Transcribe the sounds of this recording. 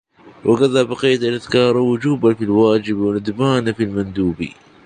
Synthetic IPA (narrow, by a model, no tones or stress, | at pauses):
wʔɪkaðabɑqiːt̪alʔaðkɑːɾˤawʊd͡ʒuːbafilwaːd͡ʒɪbwɪnad̪baːnafilmand̪uːbḭ